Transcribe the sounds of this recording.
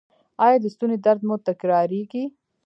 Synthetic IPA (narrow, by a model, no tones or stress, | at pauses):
ɑjɑd̪əst̪uned̪aɾd̪mot̪akɾɑːɾiɡi